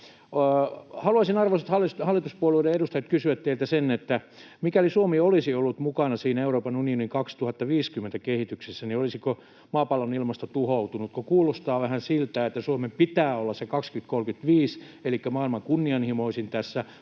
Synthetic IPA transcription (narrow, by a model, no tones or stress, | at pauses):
hɑluɑisinɑrʋoset̪hɑlːˑishɑlːˑit̪uspuolueileedust̪ɑjɑt̪kysyʋæt̪t̪eilt̪æsenːet̪ːæ | mikælisuomiolisiolːut̪mukɑnɑsiːneuroːpɑnunioniŋkɑkst̪uhɑt̪ːɑʋiːskymːent̪ækehit̪yksesːæniolisiko | mɑːpɑlːonilmɑst̪ɑt̪uhout̪unut̪kokuːlost̪ɑːʋæhænsilt̪æːet̪ːæsuomempit̪æːolːɑsekɑkskyt̪kolkyt̪ʋiːs | elikːæmɑːilmɑŋkunːiɑnhimoisint̪æsːæ